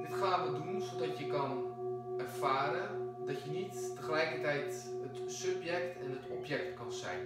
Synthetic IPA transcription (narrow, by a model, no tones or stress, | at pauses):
dɪtχaːnʋədunsodɑtjəkɑnɛrfaːɾədɑtjənitːəχəlɛjkətɛjtɦətsɵpjɛktɛnətɔpjɛk̚tkɑnzɛ̰jn